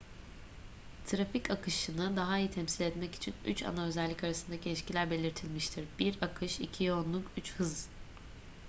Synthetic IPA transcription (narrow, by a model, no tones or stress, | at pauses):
t̪ʰɾaficakʰɯʃɯnɯd̪aɦaijɯt̪ʰɛmsilʲɛt̪mɛci̥t͡ʃʰiny̰t͡ʃa̰naøzɛlʲːicaɾasɯnd̪acʰilʲiʃcʰilʲæɾbe̞lʲiɾt̪ʰilʲmiʃt̪ʰiɾbiɾakʰɯʃicʰijo̞nlˠukyt͡ʃhɯz